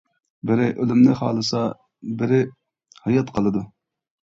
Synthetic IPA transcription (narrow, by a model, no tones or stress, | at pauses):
bɪɾɪʔølymnɪχɑ̰ːlˠɨsɑ | bɪɾɪ | hɑjɑt̪qʰəlˠɨd̪u